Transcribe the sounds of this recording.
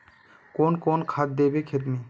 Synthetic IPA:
koːnkoːnkʰad̪̚d̪eːbekʰet̪miː

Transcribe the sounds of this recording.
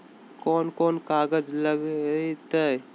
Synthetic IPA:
kɔːnkoːnkaːɡəd͡ʒləɡt̪ə

